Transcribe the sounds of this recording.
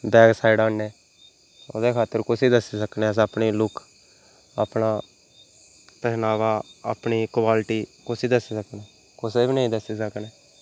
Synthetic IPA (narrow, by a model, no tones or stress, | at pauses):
bɛːɡsaːiɖaːnːeː | o̰ːd̪eːkʰaːt̪ːəɾkʊsiːd̪əsiːsəkneːəs̬əpɳiːlʊkʰ | ə̰pnaː | t̪əɦnaːʋaːə̰pniːkʋaːlʈiːkʊsiːd̪əsiːsəkneː | kʊseːbiːnəĩːd̪əsiːsəkneː